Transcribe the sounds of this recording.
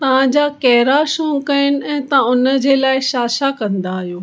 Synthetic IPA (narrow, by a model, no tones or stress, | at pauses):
t̪ɐʋ̤ãd͡ʑaːkɛɦɪɾaʃõːŋkɐɪñɪ̆ɛ̃ːt̪ãʊnə̆d͡ʑeːlaːɪʃaːʃakɐ̃nd̪aːɦijoː